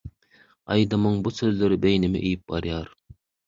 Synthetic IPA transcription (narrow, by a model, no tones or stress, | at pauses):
ɑjd̪ɨmɯŋbusøzlyɾbejnɪmɪ̰ʔejip̚bɑ̰ɾjɑɾ